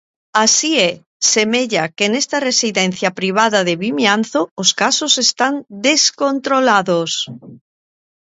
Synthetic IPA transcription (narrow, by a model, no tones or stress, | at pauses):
asie | semeʎakenest̪aresiðen̟θjapɾiβ̞aðaðeβimjanθooskasosest̪and̪eskont̪ɾolaðos